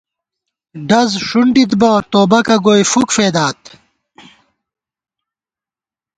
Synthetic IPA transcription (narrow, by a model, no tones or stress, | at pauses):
ɖɐzʂuɳɖit̪bɐt̪oːbɐkɐɡoːjfukfeːd̪aːt̪